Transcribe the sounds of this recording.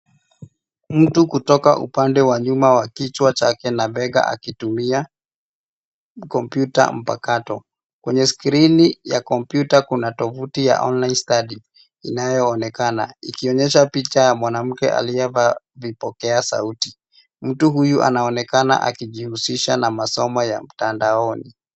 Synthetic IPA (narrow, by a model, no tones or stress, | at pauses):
m̩tukutɔka̰ʔṵpandɛwaɲumawakit͡ʃwat͡ʃakɛnaɓɛɠa̰ʔa̰kitumia | kɔmpjuta̰m̩pa̰katɔ | kwɛɲɛskɾinijakɔmpjutakunatɔvutija̰ʔɔnlainstaɗi | ḭnajɔːnɛkana̰ikiɔɲɛʃ̬apit͡ʃajamwanam̩kɛ̰ʔa̰liɛva | vipɔkɛasa̰uti̥ | m̩tuɦujuʔa̰naɔnɛkana̰ʔa̰kiʄihusiʃanamasɔmɔja̰m̩tandaɔni